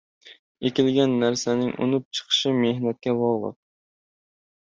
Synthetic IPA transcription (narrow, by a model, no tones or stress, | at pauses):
ekʲilɡʲɛnːæɾsɛnɪŋʔo̰nup̚t͡ʃʰə̥qʰə̥ʃɪmeɦnɛt̪̚kʲɛbɑʁlˠə̰q̚